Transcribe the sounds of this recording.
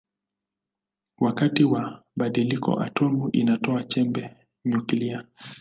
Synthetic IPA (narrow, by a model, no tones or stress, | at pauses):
wakatiwaɓaɗilikɔ̰ʔa̰tɔmuʔinatɔat͡ʃɛmbɛ | ɲukilia